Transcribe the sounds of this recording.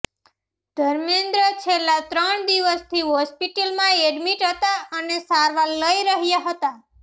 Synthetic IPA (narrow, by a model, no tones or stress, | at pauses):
d̪̥ʱəɾmẽnd̪ɾət͡ʃʰelːat̪ɾəɳd̪iʋəst̪ʰiɦɔspiʈəlmãeɖmiʈɦət̪aənesaɾʋaləiɾəɦjaɦət̪a